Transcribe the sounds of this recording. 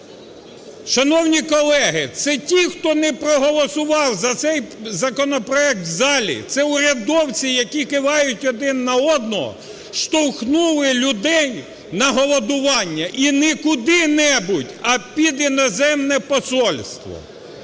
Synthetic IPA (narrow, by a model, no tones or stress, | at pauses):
ʃɐnɔwnʲikɔlˠɛɦɪt̪sɛtʲixt̪ɔnɛpɾɔɦɔlˠɔsʊʋɑwzɐt̪sɛjzɐkɔnɔpɾɔɛk̚t̪zɑlʲḭt̪sɛʊɾʲɐd̪ɔwt͡sʲijɐkʲikɪʋɑjʊtʲɔd̪ɪnːɐɔd̪̚nɔɦɔ̰ | ʃt̪ɔwxnulˠɪlʲʊd̪ɛj | nɐɦɔlˠɔd̪ʊʋɑnʲːɐʔinɛkʊd̪ɪnɛbʊtʲɐpʲid̪inɔzɛmnɛpɔsɔlʲst̪ʋɔ̰